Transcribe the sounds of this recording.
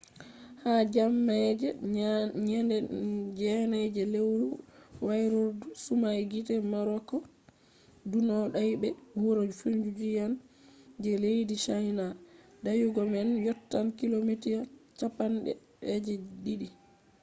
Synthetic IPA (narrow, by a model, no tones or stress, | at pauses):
had͡ʒamːad͡ʒɛɲɛndɛd͡ʒɛnad͡ʒɛlewuwajɾoɾdusumajɡitɛmaɾɔkɔ | dunɔɗajbɛwuɾod͡ʒufund͡ʒud͡ʒijand͡ʒɛlejdiʃajna | dajuɡɔmɛnjɔtːankilomitijat͡ʃapanɗɛ̰ | ɛd͡ʒɛdiɗi